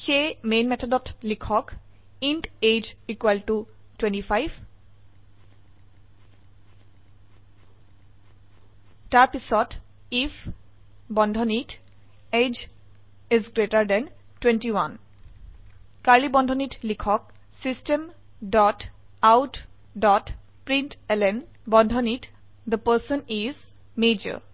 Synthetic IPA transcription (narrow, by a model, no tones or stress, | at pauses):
xejmenmɛtʰɔdɔtlikʰɔk | inted͡ʒikwaltu | twẽntipʰajb | taɹpisɔt | if | bɔndʱɔnit | ed͡ʒ | ɛzɡɹetaɹdɛn | twɛ̃ntiwan | kaɹlibɔndʱɔnitlikʰɔk̚ | sistem | dɔt | awt | dɔt | pɹintɛlɛn | bɔndʱɔnit | d̪əpəsɔniz | med͡ʒə̰ɹ